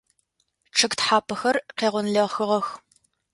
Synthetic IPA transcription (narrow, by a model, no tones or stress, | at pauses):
ʈ͡ʂʰɨktħaːpʰɐxɐrqeːʁʷʊnɮɐʁxɨʁɐx